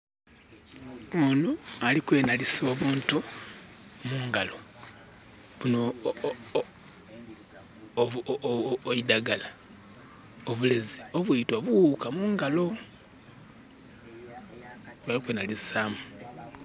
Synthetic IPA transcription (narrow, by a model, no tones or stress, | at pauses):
onoalikwe̞ːnaliso̞ːβuːntu | muːŋɡalo̞ | βuno | oidaɡala | oβulezio̞βuitwoβuwukamuːŋɡalo̞ | βalikweːnalisaːmu